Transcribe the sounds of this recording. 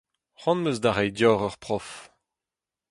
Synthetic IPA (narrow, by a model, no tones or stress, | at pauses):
ʁɑ̃nmøzdaʁɛjdjɔːʁœʁpʁɔf